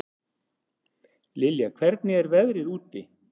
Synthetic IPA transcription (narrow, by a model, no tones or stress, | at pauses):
lɪljakʰvɛɾt̪nɪɛɾvɛðɾɪɾuːt̪ɪ